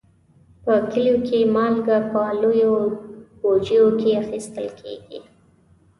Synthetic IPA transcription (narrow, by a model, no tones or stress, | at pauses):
pəkəljokʰemɑlɡapəlojobod͡ʒijokeaxist̪əlkʰḛɡḭ